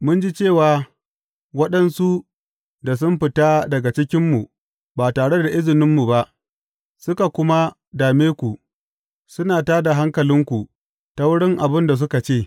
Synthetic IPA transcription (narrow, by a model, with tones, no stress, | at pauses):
mʊ˦nd͡ʒi˦t͡ʃeː˦˨waː˨ | wɐ˦ɗɐ˦nsu˦ | da˨s̬ʊ˦mɸɪ˨ta˦dɐ˨ɡa˨t͡ʃɪ˦kʲɪ˦mːu˨ | baː˨taː˨ɽe˦da˨ʔɪ˦zɪ˨nɪ˦mːu˨ba˦ʔ | sʊ˦ka˨kʷʊ˦ma˦ | daː˨meː˦kʷu˨ | sʊ˦naː˨taː˦da˨ɦa˦ŋkɐ˨lɪ˦ŋkʷu˨ | ta˦wʊ˦ɽɪ˦ŋʔa˨bɪ˦nda˨s̬ʊ˦ka˨t͡ʃeː˦˨